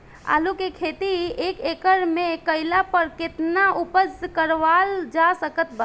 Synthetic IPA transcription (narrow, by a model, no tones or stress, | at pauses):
a̰lukekʰet̪iekekəɾmẽkəɪlapəɾket̪naupəskəɾʋald͡ʒasəkət̪ba